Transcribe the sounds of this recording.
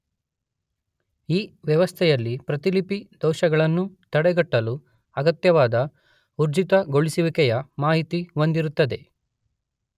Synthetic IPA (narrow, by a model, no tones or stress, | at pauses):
iːʋjɐʋɐst̪ʰɛjɐlːipɾɐt̪ilipid̪ɔwʃɐɡɐɭɐnːut̪ɐɽɛɡɐʈːɐlu | ɐɡɐt̪jɐʋaːd̪ɐ | uɾd͡ʒit̪ɐɡoɭisiʋikɛjɐmaːɦit̪iond̪iɾut̪ːɐd̪e̞